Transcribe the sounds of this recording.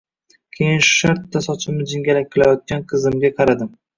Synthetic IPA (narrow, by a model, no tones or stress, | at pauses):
kʲʰejɪnʃʊ̥ʃaɾt̪ːasɒt͡ʃʰɪmɪd͡ʒɪŋɡʲalak̚ʲʰːɪlajɒt̪̚kʲanqʰɨzɪmɡʲaqʰɑɾad̪ɪm